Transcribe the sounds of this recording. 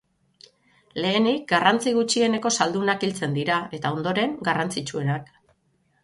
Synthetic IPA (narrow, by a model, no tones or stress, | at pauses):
le̞ːnik̚ɡarant͡siɣ̞ut͡ʃie̞ne̞ko̞sald̪unakilt͡se̞nd̪iɾae̞t̪ao̞nd̪o̞ɾe̞ŋɡarant͡sit͡ʃue̞nak